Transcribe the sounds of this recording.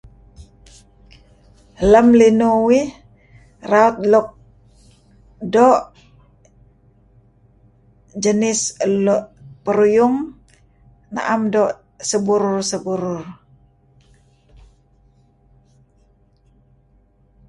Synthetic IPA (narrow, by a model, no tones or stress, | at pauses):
ləmlinuwi | raut̪̚luk̚ | dɔʔ | d͡ʒənɪsəlɔʔpəɾujuŋ | na̰ʔamdɔʔ | səbuɾʊrsəbuɾʊr